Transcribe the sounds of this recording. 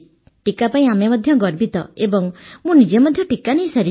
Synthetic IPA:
ʈikapaĩamemɔd̪ʱjɔɡɔɾbit̪ɔ̰ebɔŋmũnid͡ʒemɔd̪ʱjɔʈikanej̃saɾi

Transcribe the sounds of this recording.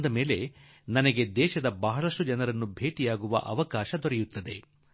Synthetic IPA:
nd̪ɐmeːle̞ | nɐnɐɡe̞d̪ɛːʃɐd̪ɐbɐɦɐɭɐʂʈud͡ʒɐnɐɾɐnːubʱeːʈijaːɡuʋɐ̰ʔɐ̰ʋɐkaːʃɐd̪ɔɾɛjut̪ːɐd̪e̞

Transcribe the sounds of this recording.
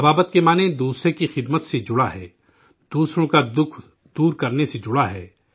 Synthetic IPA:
ɐbaːbət̪kemaːnẽd̪uːsɾekixɪd̪mət̪sed͡ʒʊɽaɦɛː | d̪̥uːsɾõkad̪ʊkʰ | d̪uːɾkɐɾnesed͡ʒʊɽaɦɛː

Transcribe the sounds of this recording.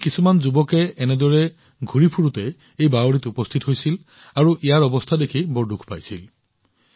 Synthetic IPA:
kisumanzubɔkɛːnɛdɔɹɛ | ɡʱuɹipʰuɹutɛ | ejbaoɹitupɔst̪ʰitɦojsil | aɹuʔijaɹɔbɔst̪ʰadekʰibɔɹdukʰpa̰jsil

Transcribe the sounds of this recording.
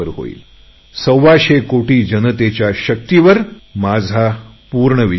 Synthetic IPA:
əɾɦo̰ḭːl | səwʋaɕekoʈiːd͡ʑənət̪et͡ɕjaɕək̚t̪iʋəɾmad͡zʱapuːɾɳəʋi

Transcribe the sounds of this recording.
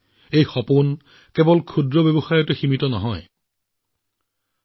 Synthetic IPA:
ejxɔpʊn | kɛbɔlkʰudɹɔbebɔxajɔteximitɔnɔɦɔj

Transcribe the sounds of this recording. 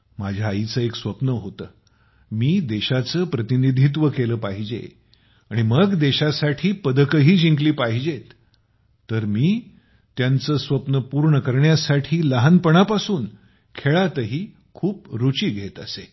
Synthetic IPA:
mad͡ʑʱjaːit͡səːeksʋəpnəɦot̪əː | miːd̪eɕat͡səːpɾət̪inid̪ʱit̪̬ʋəkeləːpaɦid͡ʑḛ | aɽ̃iməɡd̪eɕasaʈʰiːpəd̪əkəɦiːd͡ʑĩŋkliːpaɦid͡ʑet̪ː | əɾmiː | t̪jant͡səːsʋəpnəpuɾɳəkəɾɳjasaʈʰiːləɦanpəɳapasuːn | kʰeɭat̪əɦiː | kʰuːpɾut͡ɕiːɡʱet̪əse

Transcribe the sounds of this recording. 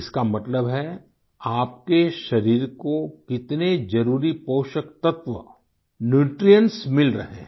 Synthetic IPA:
ɪskamɐt̪ləbɦɛ | aːp̚keʃɐɾiːɾkokɪt̪ned͡ʒɐɾuːɾipoːʃəkt̪ɐt̪ʋə̰ | njuːʈɾijə̃nsmɪlɾɐɦḛ̃ː

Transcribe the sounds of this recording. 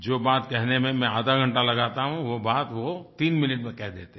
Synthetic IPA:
d͡ʒoːbaːt̪kɛɦnemẽmɛ̃aːd̪ʱaɡʱɐ̃ɳʈalɐɡaːt̪aɦũʋobaːt̪ʋot̪iːnmɪnɪʈmẽkɛɦd̪eːt̪e

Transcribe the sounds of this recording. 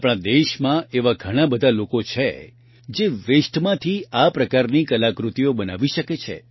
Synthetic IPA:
pɽ̃ãd̪eʃmãeʋaɡʱəɽ̃abəd̪ʱalokot͡ʃʰḛ | d͡ʒeʋeʃʈmãt̪ʰiʔapɾəkaɾnikəlakɾut̪ijobəna̰ʋiʃəket͡ʃʰḛ

